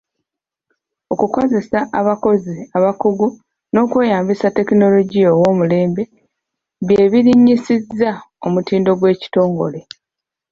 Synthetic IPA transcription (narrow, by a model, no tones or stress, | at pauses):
o̞kuko̞ze̞saʔaβako̞ziaβakuɡu | no̞ːkwe̞ːjaːmbisate̞kino̞lo̞ɟijowo̞ːmule̞ːmbe̞ | βje̞ːβiɾiɲːisizːao̞mutiːndo̞ɡwe̞ːci̥to̞ːŋɡo̞̰le̞